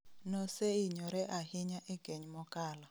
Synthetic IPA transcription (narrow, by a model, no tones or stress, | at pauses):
nɔseiɲɔɾɛʔahiɲaʔɛɡ̥ʱeɲmɔkʼaːla